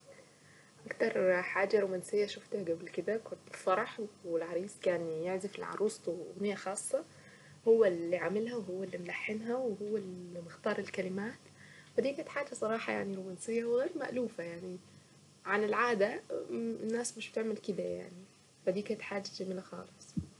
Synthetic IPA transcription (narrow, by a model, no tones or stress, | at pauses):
ʔɑkt̪ɑɾˤħaːd͡ʒaɾomaːnsɪjːaʃʊft̪hɡæblkɪd̪ækʊnt̪ɪlfɑɾˤɑħwɪlʕɑɾˤiːsˤkaːnjaʕzɪfɪlʕɑ̰ɾˤʔuːsˤt̪ɣnɪjːaxɑːsˤːɑ | hʊwːalːiʕamɪlhawɦʊwːalːimlaħːɪnɦæwɪhʊwːalmɪxt̪ɑːɾˤɪlkalɪmaːt̪fad̪iːkaːnɪt̪ħaːd͡ʒasˤɑɾˤɑːħɑja̰ʕniɾomaːnsɪjːawɣeːɾma̰ʔluːfajaʕni | ʕanɪlʕaːd̪a | nːaːsmɪʃbɪt̪ɪʕmɪlkɪd̪aja̰ʕni | fad̪iːkaːnɪt̪ħaːd͡ʒaɪʕmɪlaxɑ̰ːlɨsˤ